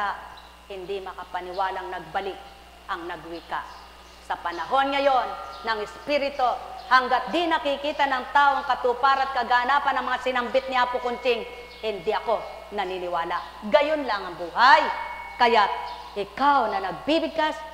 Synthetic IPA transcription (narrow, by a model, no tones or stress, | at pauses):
a | hɪnd̪ɪmɐkɐpɐnɪwaːlaŋnɐɡ̚bɐlɪk̚ | ʔɐŋnɐɡwik̪a̰ | sɐpɐnɐɦo̞nŋɐjo̞nːɐŋɪspiɾɪt̪ohɐŋɡat̪̚d̪inɐkɪkiːt̪anɐŋt̪aːʔoɐŋkɐt̪upaɾat̪̚kɐɡaʔɐnaːpɐnɐŋmɐŋasɪnɐmbɪt̪̚nɪaːpʊkʊnt͡ʃɪŋ | hɪnd̪ɪʔɐko̞ | nɐninɪwaːla | ɡɐjonlaŋɐŋbuːɦajkɐjat̪̚ | ʔɪkawnɐnɐɡ̚bibɪɡ̚kas